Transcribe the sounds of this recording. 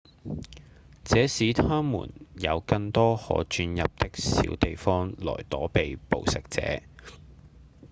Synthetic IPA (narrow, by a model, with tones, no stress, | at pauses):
t͡sɛː˨˥siː˨˥t̪ʰœː˥ŋmṵː˨˩njɐ˨˧wkɐ˧ŋt̪ɔː˥hɔ̰ː˨˥t͡ʃyː˧njɐ˨p̚t̪ɪ˥k̚sḭː˨˥wt̪e˨jfɔː˥ŋlɔ̰ː˨˩jt̪ɔː˨˥pe˨jpo̰˨wsɪ˨k̚t͡sɛ̰ː˨˥